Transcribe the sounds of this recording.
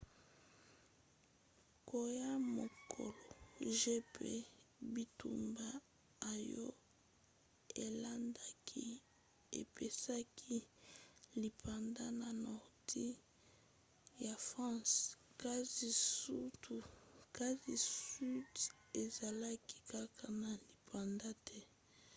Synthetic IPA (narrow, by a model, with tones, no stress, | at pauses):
ko˨ja˦mo˨kʰo̰˨lo˨ʒe˦pḛ˦bi˨tṵ˨mbaː˦˨ | jɔ̰˦ | e˨la˦nda˦kʰi˦ | ḛ˨pe˨sa˦kʰi˦ | li˨pʰa˨nda˦na˨nɔ˨ʁti˦ | ja˨fʁɑ̃˦ska˦zi˨su˦tu˨ka˦zi˨si˦d | e˨za˨la˦ki̥˦ka˦ka˨na˨li˨pʰa˨nda˦tʰɛ˦